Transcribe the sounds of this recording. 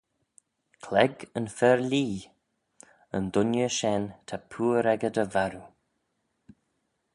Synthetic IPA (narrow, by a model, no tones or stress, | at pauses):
kʰlɛɡənfɛɹliː | ənd̪ʊnjəʃɛnt̪ʰapʰuːɾɛɡəd̪əvaɾu